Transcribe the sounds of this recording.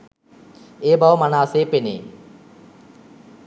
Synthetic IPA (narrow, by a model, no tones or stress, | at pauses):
eːbaʋmɐnaːseːpenḛː